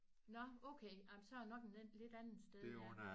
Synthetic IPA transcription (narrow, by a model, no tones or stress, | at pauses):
nɒ̽oʊkʰejäɪmnsɒ̽ænɒ̽ɡ̥enle̝d̥ænn̩sd̥eð